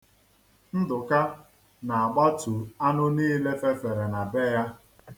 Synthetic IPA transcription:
n̩˦dʊ˨ka˦ | na˨a˨ɡ͡ba˦tu˨a˦nʊ˦niː˦le˦fe˦fe˨ɾe˨na˨be˦ja˦

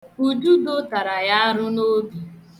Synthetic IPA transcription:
u˨d͡ʒu˦dʊ˦ta˨ɾa˨ja˦a˦ɾʊ˦no˦bi˨

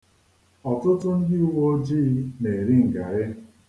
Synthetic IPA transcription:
ɔ˨tʊ˦tʊ˦n̩˦dɪ˦u˦wo˦d͡ʒi˦ne˨e˨ɾɪ˦ŋ̩˨ɡa˨ɾɪ˦

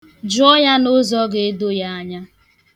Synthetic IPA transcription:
d͡ʒʊ˦ɔ˦ɲa˦no˦zɔ˦ɡe˨e˦do˦ja˦a˦ɲa˦

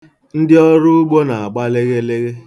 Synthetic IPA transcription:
n̩˦dɪ˦ɔ˦ɾʊ˦ʊ˦ɡ͡bo˦na˨a˨ɡ͡ba˦le˦ɣe˦le˦ɣe˦

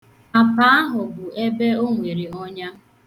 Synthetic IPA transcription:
a˨pa˦a˦ɦʊ˨bʊ˨e˦be˦o˦ŋʷe˨ɾi˨ɔ˦ɲa˦

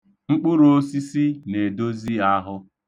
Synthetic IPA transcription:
ŋ͡m̩˦k͡pʊ˦ɾo˦si˦si˦ne˨do˦zi˦a˦ɦʊ˦

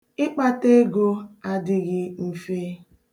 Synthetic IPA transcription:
ɪ˦k͡pa˦te˦ɡo˦a˦dɪ˦ɣɪ˦m̩˨fe˦

